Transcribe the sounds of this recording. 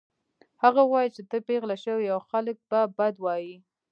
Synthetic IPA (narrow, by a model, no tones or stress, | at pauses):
haɣawɑjit͡ʃet̪əpeɣlaʃəwiawxalək̚babad̪wɑji